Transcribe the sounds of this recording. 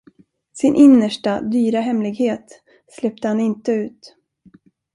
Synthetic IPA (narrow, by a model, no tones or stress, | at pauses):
sɪnʔɪnːəʂʈad̪yːɾaɦɛmlɪɡheːt̪ | slɛp̚t̪əhanɪnt̪əʉ̟ːt̪